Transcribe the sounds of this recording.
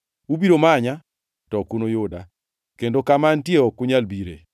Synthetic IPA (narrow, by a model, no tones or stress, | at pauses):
ubiɾomaɲa | tɔkunojʊda | kendokamantjeɔkʊɲalbiɾḛ